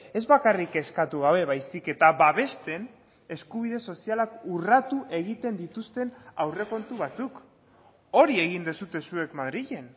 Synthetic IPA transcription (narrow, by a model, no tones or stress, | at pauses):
e̞zβakarike̞skat̪uɣ̞aβ̞e̞βajsike̞t̪aβaβe̞st̪e̞n | e̞skuβ̞iðe̞so̞sialakurat̪uʔe̞ɣit̪e̞nd̪it̪ust̪e̞nawre̞ko̞nt̪uβ̞at͡suk | o̞ɾie̞ɣ̞ind̪esut̪e̞sue̞kmaðɾiʎe̞n